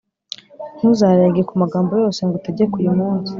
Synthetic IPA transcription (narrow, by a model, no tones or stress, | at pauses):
n̥huzaːɾajaɡiɾekumaɡaːmbo̞jo̞ːse̞ŋɡotaɟiekujumuːnzi